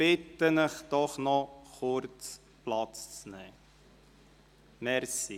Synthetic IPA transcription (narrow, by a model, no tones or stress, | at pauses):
ɪt̪ːənəχtɔχnɔχɔrt͡s | plɑt͡st͡snɛː | mɛrsi